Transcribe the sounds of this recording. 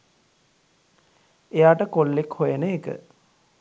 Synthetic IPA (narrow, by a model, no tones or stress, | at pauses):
ejaːʈəkolːekhojenəːkə̰